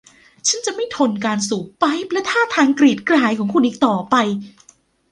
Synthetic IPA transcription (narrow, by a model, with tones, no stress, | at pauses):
t͡ɕʰa˦˥nt͡ɕa˨ʔma˥˩jt̪ʰo˧nkaː˧nsuː˨˩˦pa˦˥jp̚lɛ˦˥t̪ʰaː˥˩t̪ʰaː˧ŋkɾiː˨˩t̪̚kɾaː˨˩˦jkʰɔː˩˦ŋkʰu˧nʔiː˨˩k̚t̪ɔː˨˩pa˧j